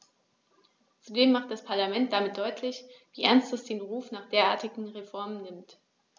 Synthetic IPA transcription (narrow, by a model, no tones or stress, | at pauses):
t͡sudeːmːaχt̚d̥aspʰaɐlamɛnt̚d̥amɪt̚d̥ɔʏtʰlɪçviːʔɛɐnstɛsd̥eːnʁuːfnaːχd̥eːɐʔaːɐtɪɡŋ̩ʁefɔɐmənːɪmt